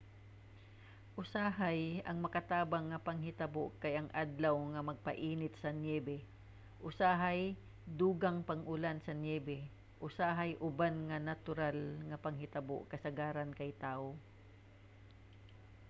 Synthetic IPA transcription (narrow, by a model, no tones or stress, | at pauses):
ʔʊsaɦajɐŋmɐkɐt̪aːbaŋːɐpɐŋɦɪt̪ɐboʔkajɐŋʔad̪lawŋɐmɐɡ̚pɐ̰ʔiːnɪt̪̚sɐnjɛːbɛ | ʔʊsaːɦaj | d̪uːɡaŋpɐŋʔʊlansɐnjɛːbɛ | ʔʊsaːɦajʔʊbanŋɐnat̪ʊɾalŋɐpɐŋɦɪt̪ɐbo̰ʔkɐsɐɡaːɾankɐjt̪aːʔo